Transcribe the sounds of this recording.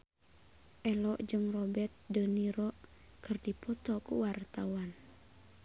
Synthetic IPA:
ʔɛlɔʔd͡ʒɨŋrɔbɛt̪̚dəniɾɔʔ | kɨrdipɔt̪ɔkṵwart̪awan

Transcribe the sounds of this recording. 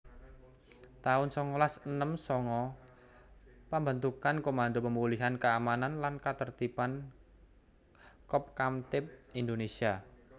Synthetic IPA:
t̪aʊnsɔŋɔlasənəmsɔŋɔ | pambənt̪ukankomand̪opəmuliɦankəamananlankat̪ərt̪ipan | kɔp̚kamt̪ɪp̚ind̪onesia

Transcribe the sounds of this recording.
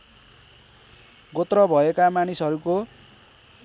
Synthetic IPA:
ɡot̪rʌbʱʌekamanisʌɾuko

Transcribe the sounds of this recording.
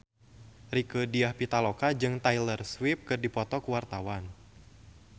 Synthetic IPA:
rikədiahpit̪alokad͡ʒɨŋt̪ajlərswɪp̚kɨrdipɔt̪ɔkuwart̪awan

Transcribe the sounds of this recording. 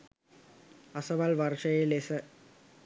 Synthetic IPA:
ɐsɐʋaːlʋɐɾʂɐjelesɐ

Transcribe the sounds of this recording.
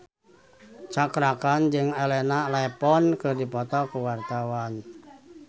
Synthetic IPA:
t͡ʃakɾakand͡ʒɨŋelɛnalɛpɔnkɨrdipɔt̪ɔkuwart̪awan

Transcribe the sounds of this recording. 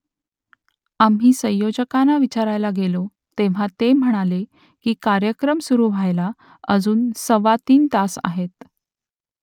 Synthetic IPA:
am̤ɦiːsə̃j̃jod͡ʑəkanaʋit͡ɕaɾajlaɡelo | t̪eʋ̤at̪em̤əɽ̃ale | kiːkaɾjəkɾəmsuɾuːʋ̤ʱajla | əd͡zuːnsəʋat̪iːnt̪asa̰ɦet̪

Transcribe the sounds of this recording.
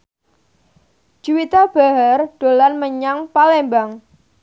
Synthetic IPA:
d͡ʒ̥uwit̪ab̥a̤ɦarɖ̥o̤lanməɲaŋpalembaŋ

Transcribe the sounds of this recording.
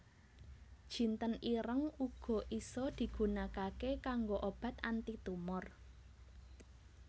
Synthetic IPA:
d̥ʒ̥i̤nt̪əniɾəŋuɡ̥ɔ̤ʔisɔd̪̥i̤ɡ̥ṳnakakekaŋɡoʔob̥ä̤t̪ant̪it̪umʊr

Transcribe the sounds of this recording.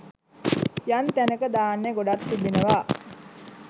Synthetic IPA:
jant̪ænəkəd̪aːnːeɡoɖat̪ːibinəʋaː

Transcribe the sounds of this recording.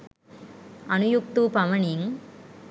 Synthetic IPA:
ɐnujuk̚t̪upɐʋɐɳiŋ

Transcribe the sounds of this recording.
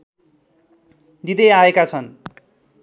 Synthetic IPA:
d̪id̪ʌjaekat͡sʰʌn

